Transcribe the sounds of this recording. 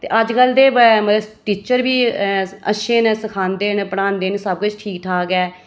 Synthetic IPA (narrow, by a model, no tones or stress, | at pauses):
t̪ḛːʔəd͡ʒkəld̪eːbməəʈ̪iːt͡ʃəɾbiːəʃẽːnsəkʰaːnd̪eːnpəɽaːnd̪eːnsəb̚kʊt͡ʃʈʰiːk̚ʈʰaːɡɛː